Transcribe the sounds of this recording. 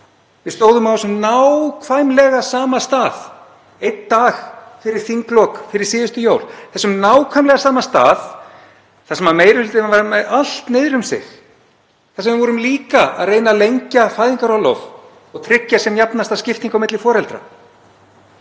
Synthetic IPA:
vɪst̪oːwðʏmawsʏmnawkʰv̥ajmlɛɣasaːmast̪aːð | ejt̪d̪aːxfɪɾɪɾ̥θiŋklɔkfɪɾɪɾ̥sɪːðʏst̪ʏjoːwl̥θɛsːʏmnaːwkʰvajmlɛɣasaːmast̪a̰ːð | θasɛmvaɾmejɾɪhʏlt̪ɪavaɾmɛðal̥t̪nɪːðɾʏmsɪ̰x | θasɛmvɪɾvɔɾʏmliːkaa̰ðreːjnalejɲcafaːjðiŋkaɾɔwlo̰v | ɔɣt̪ʰɾɪcːasɛmjapnast̪ascɪft̪iŋkawmɪt̪lɪfɔːɾɛlt̪ɾa̰

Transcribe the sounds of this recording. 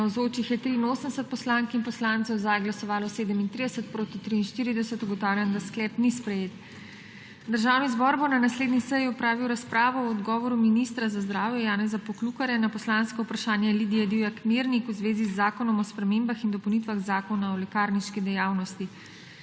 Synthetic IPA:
nawzoːt͡ʃixjɛt̪ɾiːnoːsənd̪sət̪̚pɔslaːŋkinpɔslaːnt̪sɛwzajɡlasɔʋaːlɔseːd̪əmint̪ɾid̪ɛsət̪̚pɾoːt̪it̪ɾiːnʃt̪iːɾid̪ɛsət̪uɡɔt̪awlʲjand̪asklɛːpnispɾɛjeːt̪ | d̪əɾʒaːwnizbɔɾbonanasleːd̪nisɛjiɔpɾaːʋiwɾaspɾaːʋɔɔːd̪ɡɔːʋɔɾuminist̪ɾazazd̪ɾaːwjɛjaːnɛzapɔklukaɾjɛnapɔslanskɔupɾaʃaːnjɛlid̪ijɛd̪iwjakmiɾnikuzʋeːzizːaːkɔnɔmɔspɾɛmeːmbaxind̪ɔpɔwnit̪ʋaɣzaːkɔnaɔlɛkaːɾniʃkid̪ɛjaːwnɔst̪i

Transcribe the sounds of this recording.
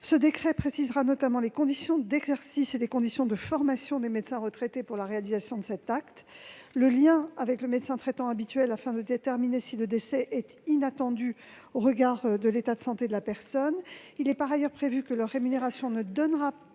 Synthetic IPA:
səd̪ekχɛpχesizʁanɔt̪amɑ̃lekɔ̃d̪isjɔ̃d̪ɛɡzɛʁsiselekɔ̃d̪isjɔ̃d̪əfɔʁmasjɔ̃d̪emed̪sɛ̃ʁət̪χɛt̪epuʁlaʁealizasjɔ̃d̪əsɛt̪akt̪ləljɛ̃avɛkləmet̪sɛ̃t̪χɛt̪ɑ̃abit̪ɥɛlafɛ̃d̪əd̪et̪ɛʁminesiləd̪esɛʔɛt̪inat̪ɑ̃d̪y | oʁəɡaʁd̪əlet̪ad̪əsɑ̃t̪ed̪əlapɛʁsɔnilɛpaʁajœʁpχevykəlœʁːemyneʁasjɔ̃nəd̪ɔnʁa

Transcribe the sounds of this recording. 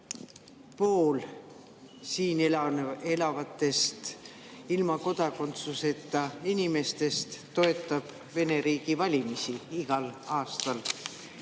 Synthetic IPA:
po̞ːl | siːne̞lɑvɑt̪ˑːe̞st̪ | ilmɑko̞d̪̥ɑko̞nt̪suse̞t̪ːˑɑinime̞st̪e̞st̪ːo̞e̞t̪ːˑɑb̥ | ve̞ne̞ɾiːɡ̥ivɑlʲimisiiɡ̥ɑlɑːst̪ɑl

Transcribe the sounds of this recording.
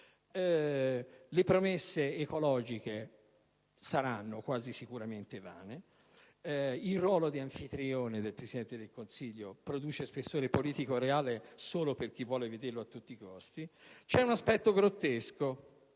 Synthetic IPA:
ɛ | lepɾomesːeːkolɔːd͡ʒike | saɾanːokwaːzisikuɾament̪eva̰ːne | ilrwɔːlod̪iaɱfit̪ɾioːned̪elpɾesid̪ɛnt̪ed̪elkonsiʎːopɾod̪uːt͡ʃespesːoːɾepoliːt̪ikoɾeaːlesoːloperk̟ivːwɔːleved̪erloat̪ːut̪ːiːkɔst̪it͡ʃɛunaspɛt̪ːoɡɾot̪ːesko

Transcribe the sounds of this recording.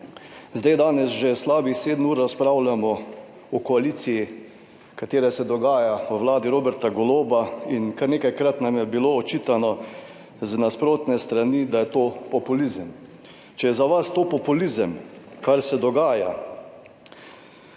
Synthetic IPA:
zd̪ajd̪aːnɛsʒɛslaːbixseːd̪nuːɾaspɾawlamɔ | ɔkɔaliːt̪siji | kat̪eːɾɛsɛd̪ɔɡaːjaɔʋlaːd̪iɾoːbɛɾt̪aɡɔloːbainkaɾneːkajkɾat̪namjɛbiloːɔt͡ʃiːt̪anɔ | znaspɾoːt̪nɛst̪ɾanid̪ajɛt̪oːpɔpulizəm | t͡ʃɛjɛzaʋast̪oːpɔpulizəmkaɾsɛd̪ɔɡaːja̰

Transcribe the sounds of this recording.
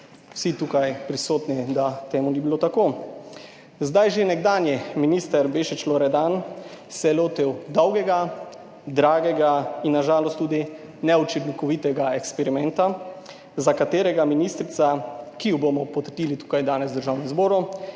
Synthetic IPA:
sit̪uːkajpɾisoːt̪nid̪at̪eːmunibilot̪akoː | zd̪ajʒenɛɡd̪aːnjɛminiːst̪əɾbeːʃit͡ʃloɾɛd̪ansɛloːt̪iwd̪ɔwɡɛɡa | d̪ɾaːɡɛɡainːaʒaːlɔst̪ːuːd̪i | nɛut͡ʃid̪likɔʋiːt̪ɛɡaɛkspɛɾimɛnt̪a | zakat̪eːɾɛɡaminist̪ɾit̪sakijubomɔpɔt̪ɾd̪iːlit̪u̥kajd̪aːnɛzd̪əɾʒaːwnizboːɾu

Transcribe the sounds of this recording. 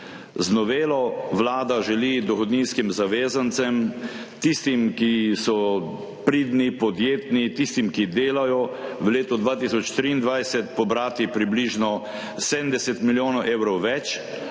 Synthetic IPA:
znɔʋeːlɔʋlaːd̪aʒɛlid̪ɔxɔd̪ninskimzaʋeːzant̪sɛmt̪ist̪imkisɔ | pɾiːd̪nipɔd̪jeːt̪nit̪ist̪imkid̪eːlajɔʋəleːt̪ɔd̪ʋaːt̪isɔt͡ʃt̪ɾiːnd̪ʋajsɛt̪pɔbɾaːt̪ipɾibliʒnɔ | sɛd̪nd̪ɛsɛt̪miljoːnɔʔeːwɾɔwʋɛt͡ʃ

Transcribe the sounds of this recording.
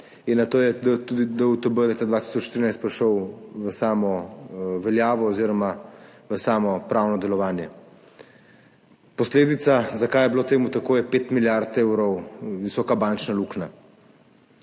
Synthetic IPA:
inːat̪oːjɛd̪ət̪ud̪id̪əut̪əbəlet̪ad̪ʋaːt̪i̥sɔt͡ʃʃt̪iɾinajst̪pɾiʃɔwʋəsaːmɔʋɛljaːʋɔːziːɾɔmaʋəsaːmɔpɾawnɔd̪ɛlɔʋaːnjɛ | pɔsleːd̪it̪sazakaːjɛbilot̪eːmut̪akoːjɛpeːt̪miljaɾt̪ewɾɔwʋisɔːkabant͡ʃnalukna

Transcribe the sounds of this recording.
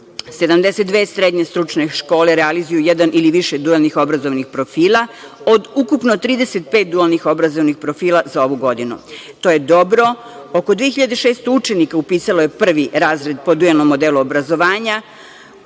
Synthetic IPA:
se̞d̪amd̪eset̪̚d̪ʋeːsɾed̪ɲe̞st̪ɾut͡ʃne̞ʃko̞ːle̞ɾealizujujɛd̪anʔiliʋiʃed̪ualˠnixo̞bɾazo̞ʋnixpɾo̞fiːlˠao̞d̪ukupnot̪ɾiːd̪e̞set̪̚peːt̪̚d̪ualnixo̞bɾazo̞ʋnixpɾofiːlˠazao̞ʋuɡo̞d̪inṵt̪o̞jed̪o̞bɾo̞ | okod̪ʋieçiʎad̪eʃeːst̪out͡ʃe̞nikaupiːsalojepr̩ʋiɾaːzɾe̞d̪po̞d̪ujelnomːo̞d̪eluobɾazo̞ʋaːɲa

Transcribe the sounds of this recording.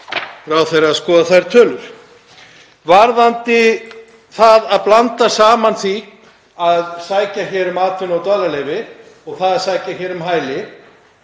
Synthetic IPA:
ɾawθejɾaaðskɔːðaθajɾt̪ʰœːlʏɾ̥ | vaɾðant̪ɪ | θaðaðplant̪asaːmanθi | aðsaːjcaçɛːɾʏmaːt̪ʰvɪnawt̪œːlalejvɪ | ɔɣθaðaðsaːjcaçɛːɾʏmɦaːjlɪ

